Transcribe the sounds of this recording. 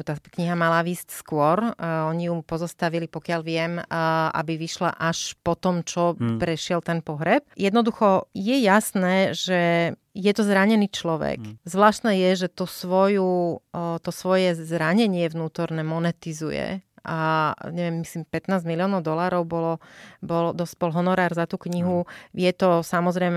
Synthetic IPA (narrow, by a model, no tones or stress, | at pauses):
ut̪aːkɲiɦamalaʋiːscskʊɔɾɔɲijupɔzɔst̪aʋilipɔkɪalʋɪɛma̰biʋiʃla̰ʔaʃpɔt̪ɔmt͡ʃɔpɾɛʃɪɛlt̪ɛnpɔɦɾɛp̚jɛd̪nɔd̪uxɔjɛjasnɛːʒɛ | jɛt̪ɔzɾaɲɛniːt͡ʃlɔʋɛ̰kzʋlaːʃt̪nɛːjɛʒɛt̪usʋɔju | t̪ɔsʋɔjɛzɾaɲɛɲɪɛʋnuːt̪ɔɾnɛːmɔnɛt̪izujɛ̰ʔaɲɛʋɪjɛmːisliːmpɛt̪naːzmiliɔːnɔʊd̪ɔlaːɾɔʊbɔlɔbɔld̪ɔsbɔlɦɔnɔɾaːɾzat̪uːkɲiɦujɛt̪ɔsamɔzɾɛjmɛ